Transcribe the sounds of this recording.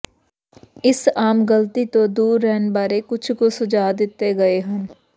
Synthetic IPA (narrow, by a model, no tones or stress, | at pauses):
ɪsaːmɡɐlt̪it̪od̪uːɾːɛɦnbaːɾekʊt͡ʃʰkosʊd͡ʒaːd̪ɪt̪ːeɡɐeɦɐ̃n